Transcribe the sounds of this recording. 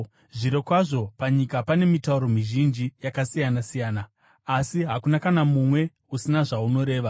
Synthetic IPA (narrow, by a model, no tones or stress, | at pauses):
ʐiɾe̞kwaʐo̞paɲikapane̞mitauɾo̞miʒind͡ʒijakasijanasijaːnaː | siɦakunakanamumwe̞ | usinaʐauno̞ɾe̞ːʋa